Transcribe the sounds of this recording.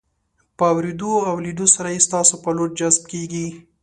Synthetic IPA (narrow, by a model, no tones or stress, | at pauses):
pəawɾed̪oawliɖosaɾajest̪ɑsopəloɾ̚d͡ʒazb̚keɡi